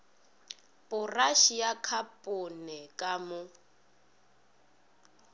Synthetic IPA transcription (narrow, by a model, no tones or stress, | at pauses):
pʼʊraʃijakʰapʼʊnɛkʼamʊ